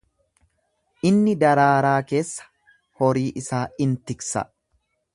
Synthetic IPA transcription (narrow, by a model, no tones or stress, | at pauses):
ʔɪnːɪd̪ɐɾaːɾaːke̞ːsːɐ̥ | hɔɾiːʔɪsaːɪnt̪ɪksɐ̰